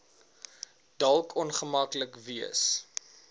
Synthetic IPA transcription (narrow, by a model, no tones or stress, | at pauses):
dɐlˠkʰɔnχəmɐkləkviəs